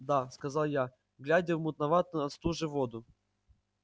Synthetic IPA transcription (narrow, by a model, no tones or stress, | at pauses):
d̪askɐzalˠja | ɡlʲædʲɪvmʊt̪nɐvat̪ɨnɐt̪st̪uʐɨvod̪ʊ